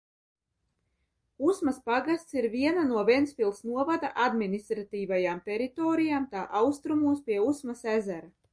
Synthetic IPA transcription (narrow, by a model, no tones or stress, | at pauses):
usmaspaɡast̪siɾviɛnanuɔvʲiɛnsfʲilˠsnuɔvad̪aʔad̪minist̪ɾat̪iːvajaːmt̪ɛɾit̪oːɾijaːmt̪aːʔawst̪ɾumuːspʲiɛusmasæzæɾa